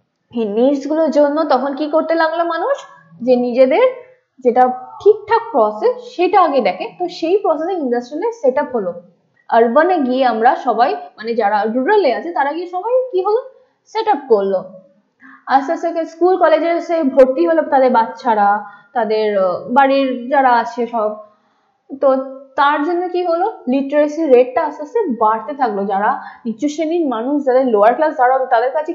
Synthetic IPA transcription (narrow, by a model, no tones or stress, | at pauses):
eniɾsɡuloɾd͡ʑonːot̪ɔkʰonkikoɾt̪elaɡlomanuʃ | d͡ʑenid͡ʑed̪eɾ | d͡ʑeʈaʈʰik̚ʈʰak̚pɾɔsesʃeʈaaɡed̪ɛkʰet̪oʃejpɾɔseseinɖəsʈɾileseʈəpɦolo | əɾbəneɡieamɾaʃɔbajmaned͡ʑaɾaɾuɾeleat͡ɕʰet̪aɾaɡieʃɔbajkiɦolo | seʈəp̚koɾlːo | asasekeskulkɔled͡ʑeɾasebʱoɾʈ̪ːiɦolot̪ad̪eɾbatːɕʰaɾat̪ad̪eɾbaɾiɾd͡ʑaɾaat͡ɕʰeʃɔb̚ | t̪ot̪aɾd͡ʑonːokiɦololiʈeɾesiɾeʈ̚ʈaasasebaɽt̪et̪ʰaklod͡ʑaɾaiʃʰuʃeniɾmanuʃd͡ʑad̪eɾloaɾklasd̪ʱaɾat̪ad̪eɾkat͡ɕʰe